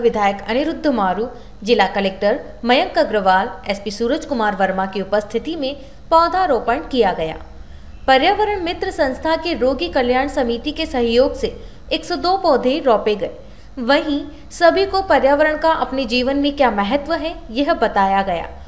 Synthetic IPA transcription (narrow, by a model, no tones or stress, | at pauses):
ʋɪd̪ʱaːjəkɐnɪɾʊd̪ʱːəmaːɾuː | d͡ʒɪlakɐleːk̚ʈəɾ | mɐjə̃ŋkɐɡɾəʋaːlɛspisuːɾəd͡ʒkʊmaːɾʋɐɾmakiʊpəst̪ʰɪt̪imẽ | pɔːd̪ʱaɾoːpəɳɖkijaɡɐja̰ː | pɐɾjaːʋəɾəɽ̃mɪt̪ɾəsɐ̃nst̪ʰakeɾoːɡikɐljaːɳ̃sɐmiːt̪ikesɐɦjoːɡse | eːksod̪oːpɔːd̪ʱeɾɔːpeɡɐe | ʋɐɦĩ | sɐbʱikopɐɾjaːʋəɾəɽ̃kaʔɐpned͡ʒiːʋənmẽkjaːmɛɦət̪ʋəɦɛjɐɦbɐt̪aːjaɡɐja̰ː